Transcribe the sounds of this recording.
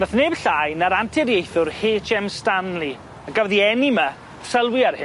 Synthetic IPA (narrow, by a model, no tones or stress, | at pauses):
bəθneːbɬajnaɾantʰɪɾjejθʊrheːt͡ʃʰɛmstanlˠi | əɡəwðiɛnima | səlˠwiarhɪ